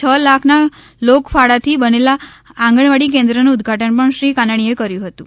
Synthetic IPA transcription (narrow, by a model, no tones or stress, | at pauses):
t͡ʃʰəlakʰna | lokfaɽat̪ʰibənela | ãŋɡəɳʋaɽik̬end̪ɾənuːd̪ɡʱaʈənpəɳʃɾikanaɳ̃iekəɾjũɦət̪ũ